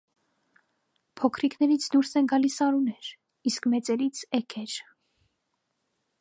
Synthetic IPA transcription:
pʰɔkʰɾikʰnɛɾit͡sʰd̪uɾsɛnɡɑlisɑɾunɛɾ | iskmɛt͡sɛɾit͡sʰɛkʰɛɾ

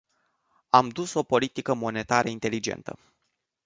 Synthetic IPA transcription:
amd̪uso̞po̞lit̪ikəmo̞ne̞t̪aɾəint̪e̞lid͡ʒe̞̰nt̪ə̰

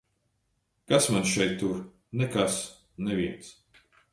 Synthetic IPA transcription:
kasmanʃɛjt̪ːuɾ | nɛkas | nɛvʲiɛns

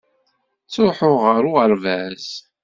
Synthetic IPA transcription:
t͡sːoħʊʁəɾʊəɾvæz

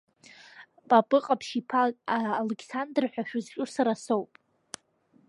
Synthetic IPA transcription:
pʼapʼɨqʼapʰʃipʰaaːlekʰsandrħʷᶣaʃᶣʊzt͡ʃʲʷʼʊrsaɾasowpʼ

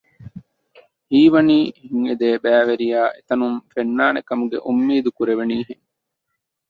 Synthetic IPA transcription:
hiːʋɐniːhiŋed̪eːbæːʋeɾijaːʔet̪ɐnumfenːaːnekɐmuɡḛʔumːiːd̪ukuɾeʋeniːɦeŋ

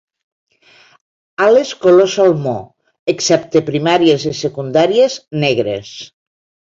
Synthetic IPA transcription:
aleskolosalmo | eksɛp̚t̪epɾimaɾiezisekund̪aɾieznɛɣɾḛs

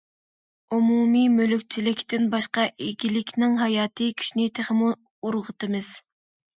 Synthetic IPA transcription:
umumimølykʲt͡ʃʰilɪkʲt̪ɪnbɑʃqɑʔiɡʲilɪkʲnɪŋɦɑjɑːt̪ʰɨkʲʰy̥ʃnɪt̪ʰeχɪmu | uɾʁət̪ɨmɨz̥

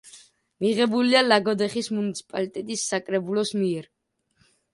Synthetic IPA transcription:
miʁɛbulialaɡɔd̪ɛχismunit̪sʰi̥pʼalit̪ʼɛt̪ʼisːakʼɾɛbulɔsmiɛɾ

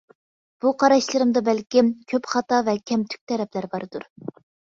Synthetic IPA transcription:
b̥uqʰɑɾɑʃlˠɨɾɨmd̪ɑbælkʲimkʲʰøpχɑt̪ɑvɛkʲʰɛmt̪ʰy̥k̚ʲt̪ʰɛɾɛplæɾbɑɾd̪̥uɾ

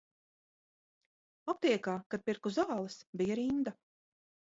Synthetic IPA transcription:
ɔp̚t̪iɛkaːkad̪̚piɾkuzaːlˠɨsbʲijaɾind̪a

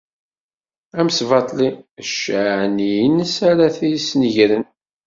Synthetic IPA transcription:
æmsvɑt̪ˤliəʃʕnijnsaɾaθijsnʝɾən

